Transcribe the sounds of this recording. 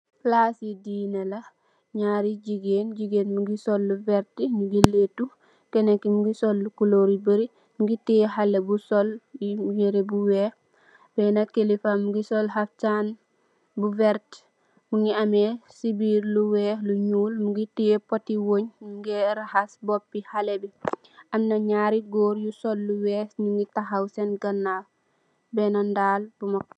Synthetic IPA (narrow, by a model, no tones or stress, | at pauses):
flasidinela | ɲaːɾiɟiɡeːnɟiɡenmuɡisolːuveɾtimuɡiletu | kenekimuɡisolːukuloɾibəɾi | muɡitijeɦalːebusoljijeɾebuweː | bɛnakːelifamuɡisolɦaftan | buvɛɾt | muŋɡiamesibiːɾluwɛluɲuːlmuɡitiepotiwoɲmuŋɡɛɾahasbɔpːihalebi | ʔɐmnɐɲaɾiɡoːɾjusɔlːuwɛsɲuŋɡitaɦawsɛnɡɐnːaf | bɛnandaːlbumɐk̚